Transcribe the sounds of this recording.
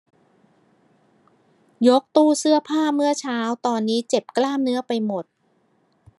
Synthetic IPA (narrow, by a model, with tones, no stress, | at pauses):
jo˦˥k̚t̪uː˥˩sɯ˥˩ɐpʰaː˥˩mɯ˥˩ɐt͡ɕʰaː˦˥wt̪ɔː˧nːiː˦˥t͡ɕe˨˩p̚klaː˥˩mnɯ˦˥ɐpa˧jmo˨˩t̪̚